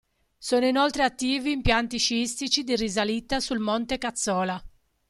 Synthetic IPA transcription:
sɔːnoinɔlt̪ɾeat̪ːiːviːmpjant̪iʃiist̪it͡ʃid̪irizalit̪ːasulmɔnt̪ekat̪sːɔːla

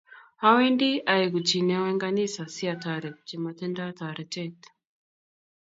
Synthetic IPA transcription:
hawɛndiaɛkut͡ʃinɛwɛŋɡanisasiataɾɛu̥t͡ʃimatɛndataɾɛtɛt

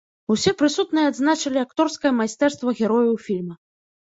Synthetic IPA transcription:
usʲɛpɾɨsut̪nɨjɛad̪znat͡ʂɐlʲiakt̪ɔrskɐjɐmajst̪ɛrst̪vɐɣʲɛɾɔjɐwfʲilʲmɐ

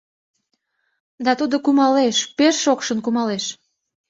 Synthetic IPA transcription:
d̪ɑt̪ud̪okumɑleʃpeʃːokʃənkumɑleʃ

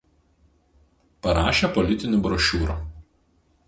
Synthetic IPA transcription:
pɐɾɑːʃʲepɔlʲɪt̪ʲɪnʲʊbɾɔʃʲuːɾu

